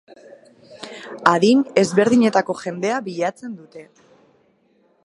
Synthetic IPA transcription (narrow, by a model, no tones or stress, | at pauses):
aðine̞zβe̞ɾðiɲe̞t̪ako̞ʝe̞nd̪e̞aβiʎat͡se̞nd̪ut̪e̞